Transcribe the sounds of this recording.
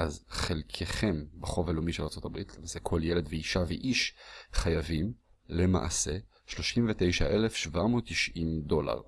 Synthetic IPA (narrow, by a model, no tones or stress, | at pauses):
ʔazχelkʰeχe̞mbeχo̞velomiʃelaʁt͡so̞t̪abʁitʰlemaːse̞kʰo̞ljele̞d̪veiʃaveʔiʃχajavim | lema̰ʔa̰se̞ | ʃlo̞ʃimvetejʃa̰ʔe̞lefʃvamoːt̪ːiʃʔimdo̞la̰ʁ